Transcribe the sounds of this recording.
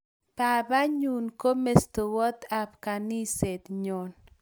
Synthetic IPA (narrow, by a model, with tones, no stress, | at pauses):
pa˨ba˦ɲu˨nko˦me˨st̪o˨wɔ˦t̪a˨pka˨ni˦se˨t̪ɲo˨n